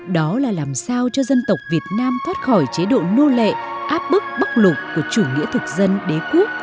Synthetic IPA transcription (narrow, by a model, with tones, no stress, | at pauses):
ɗɔ˨˦laː˨˩laː˨˩msaː˧wt͡ɕɔ˧zə˧nt̪ə˨˩wk͡p̚vi˨˩ət̚naː˧mt̪ʰwaː˦˥t̚xɔ˧˩jt͡ɕe˨˦ɗo̰˧˨no˧lḛ˧˨ʔaː˦˥p̚ɓɨ˦˥k̚ɓə˦˥k̚lʊ˨˩k͡pkːu˧˩ət͡ɕu˧˩ŋḭ˧˥ət̪ʰɨ˨˩k̚zə˧nɗe˨˦ku˦˥ək̚